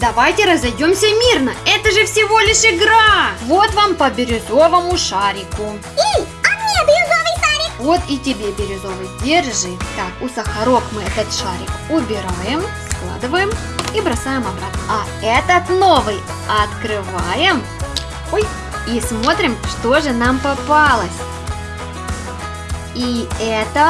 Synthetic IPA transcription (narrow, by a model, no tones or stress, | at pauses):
d̪ɐvajtʲɪɾəzɐjdʲomsʲəmʲirnəɛt̪əʐɨfsʲɪvo̞lʲɪʂɪɡɾavo̞t̪vampəbʲɪɾʲɪzo̞vəmʊʂaɾʲɪkʊ | i | ɐmʲed̪ɾɪzovɨjʂaɾʲɪkvo̞t̪itʲɪbʲebʲɪɾʲɪzo̞vəjdʲerʐɨt̪akʊsəxɐɾo̞kmɨɛt̪ət̪ʂaɾʲɪkʊbʲɪɾajɪmsklˠa̰d̪ɨvəjɪm | ibɾɐsajɪmɐbɾat̪nəɐ | ɛt̪ət̪novɨj | ɐt̪kɾɨvajɪm | oj | ismo̞t̪ɾʲɪmʂt̪o̞ʐɨnampɐpalˠəsʲ | iɛt̪ə